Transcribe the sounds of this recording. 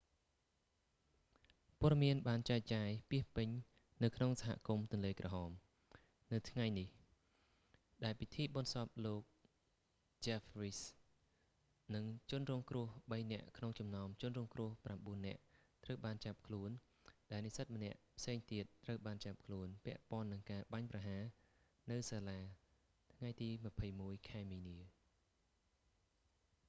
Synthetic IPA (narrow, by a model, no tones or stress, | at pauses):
pŏəɗɑmiənɓaːnt͡ɕaɛc̚t͡ɕaːjpiəhpɨɲ | nɨwkʰnoŋsaɦa̰ʔkumt̪ʊ̆ənleːkrɑɦɑːm | nɨwt̪ʰŋajnih | ɗaɛlpit̪ʰiːɓɑnsɑp̚loːk̚ | t͡ɕɛfris | nɨŋt͡ɕʊ̆ənrɔːŋkrʊəhɓəjnɛ̆əʔkʰnoŋt͡ɕɑmnaɔmt͡ɕʊ̆ənrɔːŋkrʊəhpramɓuənːɛ̆əʔt̪rəwɓaːnt͡ɕap̚kʰluən | ɗaɛlnisət̪̚mə̆nɛ̆əʔpʰseːŋt̪iət̪ːrəwɓaːnt͡ɕap̚kʰluənpɛ̆əʔpŏənːɨŋkaːɓaɲpraɦaː | nɨwsaːlaː | t̪ʰŋajt̪iːmə̆pʰəjmuəjkʰaɛmiːniə